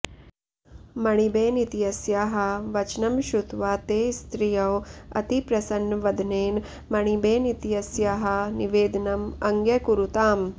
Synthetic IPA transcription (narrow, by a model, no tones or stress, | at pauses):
mɐɳ̃ibeːnit̪ijɐsjaɦɐ̆ʋɐt͡ʃnɐmʃut̪ʋaːt̪eːst̪ɾijɐwɐ̰t̪ipɾɐsɐnʋɐd̪ʱneːn | mɐɳ̃ibeːnit̪jɐsjaɦɐniʋeːd̪ɐnɐmɐŋɡjɐkuɾut̪aːm